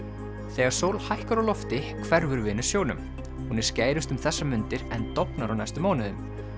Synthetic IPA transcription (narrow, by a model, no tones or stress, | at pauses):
θɛːɣaɾ̥soːwlhajhkaɾawlɔft̪ɪkʰvɛɾvʏɾvɪːnʏ̥sjoːwnʏm | hunɪɾ̥scaːjɾʏst̪ʏmθɛsːamʏnt̪ɪɾɛnt̪ɔpnaɾawnajst̪ʏmɔːnɪðʏm